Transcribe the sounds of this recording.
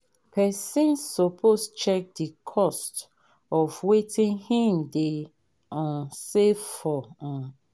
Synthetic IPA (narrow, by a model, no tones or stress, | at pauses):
pʰɛsĩnsːopʰost͡ʃɛk̚dikʰɔst | ɔfwetĩnhĩmde | ɔ̃sefɔɔ̃